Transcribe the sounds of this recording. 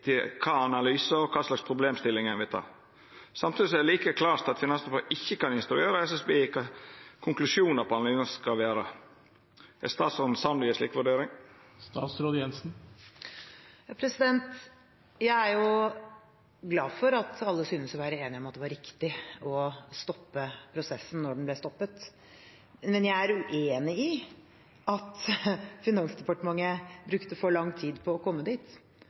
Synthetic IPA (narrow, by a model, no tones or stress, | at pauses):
t̪ʰɪkʰɑːɑnɑlyːsəɔkʰɑːslɑkspʰɾʊbleːmst̪ɪlːɪŋɛnʋɪlt̪ʰɑ̰ː | sɑmt̪id̪ɪsɔɛd̪liːkəkʰlɑːɾt̪ɑt̪fɪnɑnspɑʔɪçːəkɑnɪnst̪ɾʉeːɾəɛsɛsbeːkʰɑkʰʊŋklʉʂuːnəɾpʰɔɑnɑlyːnəskɑlʋeːɾə | ɛst̪ɑːt̪sɔn̩sɑmliːəsliːkʋʉɖeːɾɪŋ | st̪ɑːt̪sɾoːd̪əjɛnsn̩ | jɑpʰɾɛsɪd̪ɛnt̪ | jæɪæɾjʊ | ɡlɑːfɔɾɑt̪ɑlːəsyːnəsɔʋæːɾəeːnɪɔmɑt̪̚d̪ɛʋɑɾɪkt̪ɪɔst̪ɔpːəpʰɾʊsɛsːən̩ːɔɖɛnblɛst̪ɔpːət̪ | mɛnjæɪæɾʉʔeːnɪɪ | ɑt̪fɪnɑnsd̪ɛpɑʈəmɑŋːəbɾʉkt̪əfɔɭɑŋːt̪ʰiːd̪pʰɔːkʰɔmːəd̪iːt̪